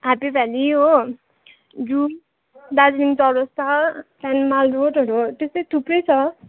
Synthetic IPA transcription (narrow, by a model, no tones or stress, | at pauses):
ɦapibʱaliɦo | d͡zum | d̪ad͡zniŋt͡sʌbʌst̪ʰapanmalroʈʌɾut̪est̪ʌjt̪ʰuprʌjt͡sʰʌ